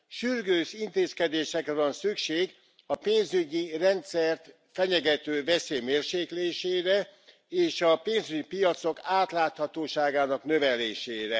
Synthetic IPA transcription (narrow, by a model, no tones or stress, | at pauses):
ʃyrɡøːʃint̪eːskɛd̪eːʃɛkɾɛvɒnsykʃeːɡ | ɒpeːnzyɟirɛnt̪sɛrt̪ | fɛɲɛɡɛt̪øːvɛseːjmeːrʃeːkleːʃeːɾɛ | eːʃɒpeːnzyɟipijɒt̪so̞kaːt̪laːt̪hɒt̪oːʃaːɡaːnɒknø̞vɛleːʃeːɾɛ